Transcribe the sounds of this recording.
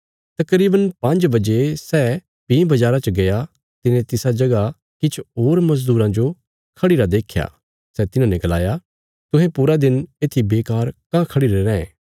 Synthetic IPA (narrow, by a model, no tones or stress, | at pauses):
t̪ɐkɾiːbənpɐ̃ɲd͡ʒbɐd͡ʒesɛ | pĩːbɐd͡ʒaːɾat͡ʃəɡɐja | t̪ɪnẽt̪ɪsad͡ʒɐɡa | kɪt͡ʃʰoːɾmɐsd̪uːɾãd͡ʒo | kʰɐɽiɾad̪eːkʰja̰ː | sɛt̪ɪnãːnɛ̃ɡɐlaːja | t̪ʊ̃ɦẽpuɾad̪ɪneːt̪ʰibeːkaːɾkãkʰɐɽiɾeːɾɛ̃ɛ̰̃ː